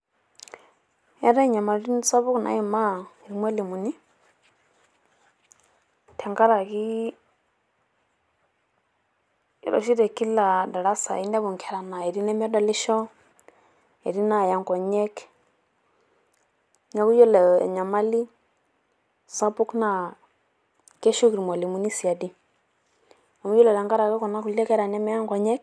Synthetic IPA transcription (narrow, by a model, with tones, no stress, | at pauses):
ɛ˦ɾɛ˦ɲa˨ma˨ɾi˦nsa˦βu˦kna̰˨i˦ma˦˨i˨mwɛ˦li˨mu˨ni˦ | tʰɛ˨ŋɡa˦ɾa˨ki˦ | i˨ɾɔ̰˨ʃi˦ɾɛ˨ki˦la˨da˨ɺa˦sa̰˨i˦nda˦βu˨ŋkʰɛ˨ɾa˨na˨i˨ɾi˦nɛ˦mɛ˦da˨li˦ʃɔ˦ | ɛ˨ɾi˦na˦˨ja˨ŋkɔ˨ɲɛ˦k | ɲa˦ku˦jɔ˦lɛ̰˨ɲa˨ma˦li˦ | sa˦pu˦kna˨ | kɛ˦ʃu˦ki˨ɾmɔ˨li˨mu˨ni˦si˨a˨di˦ | a˨mu˦jɔ˦lɛ˨ɾɛ˨ŋɡa˦ɾa˨ki˦kɔ˨na˦ku˨lɛ˦kɛ˦ɾa˨nɛ˦mɛ˦ja˦ŋkɔ˨ɲɛ˦k̚